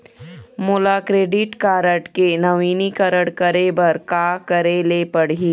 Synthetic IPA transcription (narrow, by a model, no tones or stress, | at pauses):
mʊlaːkɾeːɖɪʈkaːɾəʈkenɐʋiːnikəɾəɽkəɾebɐɾkaːkəɾelepɐɽ̤i